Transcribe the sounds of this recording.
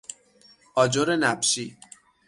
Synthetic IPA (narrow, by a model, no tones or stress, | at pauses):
ɒːd͡ʒoɾenæbʃi